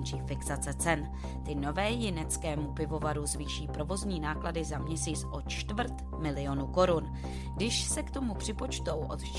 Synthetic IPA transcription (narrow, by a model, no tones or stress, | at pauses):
nt͡ʃiːfɪksat͡sɛt͡sɛn | t̪ɪno̞vɛːjɪnɛt͡skɛːmupɪvo̞vaɾuzviːʃiːpɾo̞vo̞zɲiːnaːkladɪzamɲɛsiːt͡sʔo̞t͡ʃt̪vrɾ̩t̪ | mɪlɪjo̞nuko̞ɾun | ɡdɪʃsɛkt̪o̞mupr̝̥ɪpo̞t͡ʃt̪o̞wʔo̞̰t̪t͡ʃ